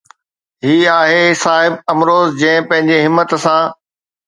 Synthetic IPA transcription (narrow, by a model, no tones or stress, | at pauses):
ɦiːaːɦesaːɦɪb̚ɐmɾoːzd͡ʑɐ̃ɦɪ̃pɐ̃ɦɪ̃ɲd͡ʑeɦɪmːət̪sãː